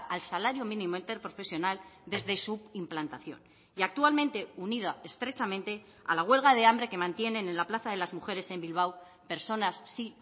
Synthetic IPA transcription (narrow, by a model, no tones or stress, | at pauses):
alsalaɾjomĩnimo̞int̪e̞ɾpɾo̞fe̞sjo̞nald̪e̞zðe̞suimplant̪aθjo̞̰n | iak̚t̪ualmẽ̞nt̪e̞unið̞ae̞st̪ɾe̞t͡ʃamẽ̞nt̪e̞ | a̰laɣ̞we̞lɣ̞að̞e̞ambɾe̞ke̞mãnt̪je̞ne̞ne̞nlaplaθaðe̞lazmuxe̞ɾe̞se̞mbilβ̞aw | pe̞ɾso̞nasːi